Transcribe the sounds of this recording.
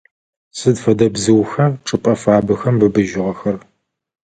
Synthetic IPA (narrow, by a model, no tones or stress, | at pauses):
sɨdfɐdɐbzɨwxɐrʈ͡ʂʼɨpʼɐfaːbɨxɐmbɨbɨʒɪʁɐxɐr